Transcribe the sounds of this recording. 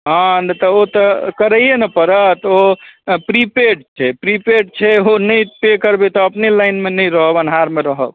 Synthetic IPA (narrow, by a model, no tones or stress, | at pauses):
ɦə̃t̪ɔot̪ɔkəɾəjenəpəɾət̪opɾipeʈt͡ʃʰɛpɾipeʈt͡ʃʰɛonəjpekəɾbet̪ɔːpnelaɪnmenəjɾəɦəbənɦaɾmeɾəɦə̰b